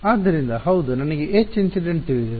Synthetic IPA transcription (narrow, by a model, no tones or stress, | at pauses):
aːd̪ːɐɾind̪ɐhɐwd̪unɐnɐɡeet͡ʃːinsiɖeɳʈt̪iɭid̪ɐ